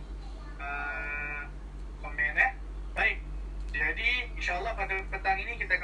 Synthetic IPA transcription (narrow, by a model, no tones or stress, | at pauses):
ə | pəmɛnɛ | baɪk̚ | d͡ʒadiinʃaəlːɑhpənd̪apənt̪aŋinikit̪ak